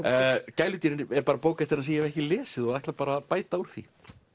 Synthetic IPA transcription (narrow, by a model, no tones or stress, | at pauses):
caːjlʏt̪iːɾɪnɛɾpaːɾapoːwkɛht̪ɪɾaðsiːjamɛhcɪlɛːsɪðɔɣajht̪lapaːɾapaːjt̪auɾ̥θḭ